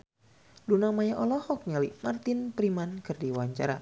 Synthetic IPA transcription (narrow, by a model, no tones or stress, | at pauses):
lunamajaʔɔlɔhɔk̚ɲalimart̪ɪnpɾimankɨrdiwaɲt͡ʃa̰ɾa̰